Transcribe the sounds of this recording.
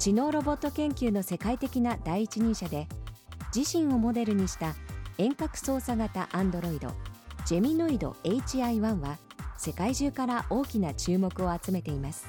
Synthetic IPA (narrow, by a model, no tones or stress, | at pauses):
t͡ɕino̞ːɾo̞bo̞t̪ːo̞kẽ̞ŋkʲɨːno̞se̞kait̪e̞kʲinad̪aiːt͡ɕiɲ̟ĩɰ̃ɕad̪e̞d͡ʑiɕĩɰ̃o̞mo̞d̪e̞ɾɯ̟ɲ̟iɕi̥t̪aẽ̞ŋkakɯ̟̥so̞ːsaɡat̪a̰ʔãnd̪o̞ɾo̞id̪o̞̰d͡ʑe̞mʲinoid̪o̞̰e̞it͡ɕiaiβãɰ̃βase̞kaiʑɨːkaɾaʔo̞ːkʲinat͡ɕɨːmo̞kɯ̟o̞at͡sɨme̞t̪e̞imasɨ̥